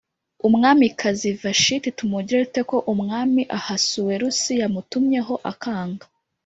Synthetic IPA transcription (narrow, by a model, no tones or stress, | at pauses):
umŋaːmikʰazivaʃititumuɟiɾeute̞ko̞ʔumŋaːmiʔahasuwe̞ɾusijamutumɲe̞ɦo̞ʔakaːŋɡa